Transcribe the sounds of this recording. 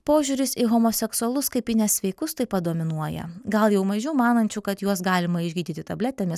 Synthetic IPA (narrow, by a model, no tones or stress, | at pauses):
poːʒʲuːɾʲɪsɪɣoːmoːsʲɛksʊɐlˠʊskɐɪpʲɪnʲɛsʋʲɛɪkʊst̪ɐɪpɐd̪oːmʲɪnuɔjɛ̰ɡɐlˠjɛʊmɐʒʲuːmɑːnɐnʲt͡ʃʲuːkɐt̪juɔsɡɑːlʲɪmɐɪʒʲɡʲiːd̪ʲiːt̪ʲɪt̪ɐbʲlʲæːt̪ʲɛmʲɪs